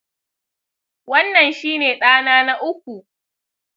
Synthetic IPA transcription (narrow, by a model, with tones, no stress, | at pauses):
wɐ˦nːɐ˨nʃiː˦neː˨ɗaː˦naː˦na˦ʔʊ˦kʷu˨